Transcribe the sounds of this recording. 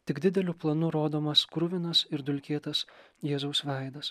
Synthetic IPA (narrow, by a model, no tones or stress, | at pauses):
t̪ʲɪɡd̪ʲɪd̪ʲɛlʲʊplˠɐnʊɾoːd̪oːmɐskɾʊʋʲɪnɐsɪɾd̪ʊlʲkʲeːt̪ɐs | jeːzɐʊsʋʲɛˑɪd̪ɐs